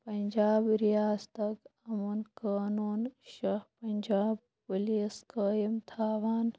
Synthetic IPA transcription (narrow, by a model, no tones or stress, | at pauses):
pɐɲd͡ʒaːbɾijaːzt̪ɐkɐmunkaːnuːnʃɐhpɐnʲd͡ʒaːb | puliːskəːjimt̪ʰaːʋaːn